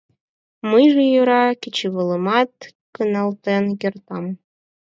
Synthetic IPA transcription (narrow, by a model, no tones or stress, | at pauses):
mɯjʒejuɾɑkʲit͡ɕiβɤ̆lˠɤ̆mɑt̪ | kɯnɑlˠt̪enjĕrt̪ɑm